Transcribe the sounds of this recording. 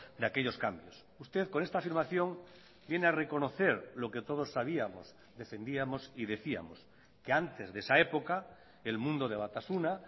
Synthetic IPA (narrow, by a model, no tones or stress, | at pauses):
d̪eakeʎo̞skambjos | ust̪eðko̞nest̪afiɾmaθjõ̞ŋ | bje̞neareko̞no̞θe̞ɾlo̞ke̞t̪oð̞o̞sːaβ̞iamos | d̪e̞fe̞nd̪iamo̞siðe̞θia̰mo̞s | keant̪e̞zðesaepo̞ka | elmũnd̪oð̞eβat̪asuna